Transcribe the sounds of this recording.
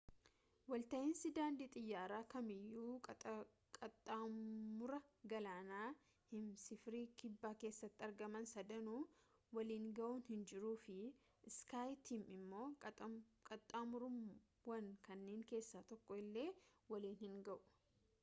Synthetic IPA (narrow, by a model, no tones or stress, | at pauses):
wɐlt̪ɐʔɪnsɪd̪aːnd̪ɪt̪ʼɪjːaːɾaːkɐmɪjːuː | kʼɐt̪ʼːamʊɾɐɡɐlaːnaː | hɪnsɪfɾiːkɪbːaːke̞ːsːɐt̪ːɪɐɾɡɐmɐnsɐd̪ɐnuːwɐliːŋɡɐʔuːnhɪnd͡ʒɪɾuːfɪ | skaːjt̪iːmɪmːo̞ː | kʼɐt̪ʼːaːmʊɾʊ | wɐŋkɐnːeːŋke̞ːsːaːt̪ɔkːɔɪlːe̞ːwɐliːnhɪŋɡɐʔʊ̥